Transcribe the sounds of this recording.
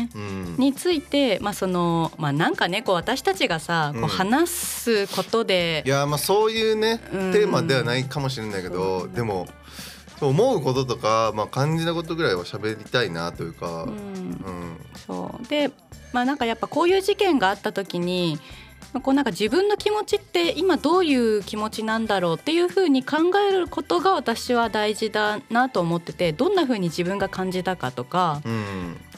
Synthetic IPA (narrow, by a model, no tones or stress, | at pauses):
ɯ̃ɲ̟it͡sɨit̪e̞maso̞no̞maːnãŋkane̞ko̞ːβat̪aɕi̥t̪at͡ɕiɡasako̞hanasɨko̞t̪o̞d̪e̞jamaːso̞ːjɯ̟ːne̞ɯ̟̃t̪ːe̞ːmad̪e̞β̞anaikamo̞ɕ̬iɾe̞naike̞d̪od̪e̞mo̞ | soːmo̞ɯ̟ko̞t̪o̞t̪o̞kamaːkãɲ̟d͡ʑinako̞t̪o̞ɡɯ̟ɾaiβaɕabe̞ɾʲit̪ainat̪o̞jɯ̟ːka̰ɯ̃ɯ̃so̞̰ːd̪̥e̞ | maːnãŋkajapːako̞ːjɯ̟ːʑikẽ̞ŋɡaːt̪ːat̪o̞kʲiɲ̟i | mako̞ːnãŋkad͡ʑibɯ̟̃nːo̞kʲimo̞t͡ɕit̪ːe̞ʔimad̪o̞ːjɯ̟ːkʲimo̞t͡ɕinãnd̪aɾo̞ːt̪ːe̞jɯ̟ːɸɯ̟ːɲ̟ikãŋɡae̞ɾɯ̟ko̞t̪o̞ɡaβat̪aɕiβ̞ad̪aiʑid̪anat̪o̞ːmo̞t̪ːe̞t̪e̞d̪õ̞nːaɸɯ̟ːɲ̟id͡ʑibɯ̟̃ŋɡakãɲ̟d͡ʑit̪akat̪o̞kaɯ̃